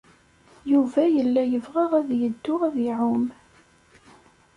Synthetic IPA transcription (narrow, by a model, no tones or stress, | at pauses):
juvæjəlːæjəvʁəʁæðjəd̪ːʊʁæðɪʕʊm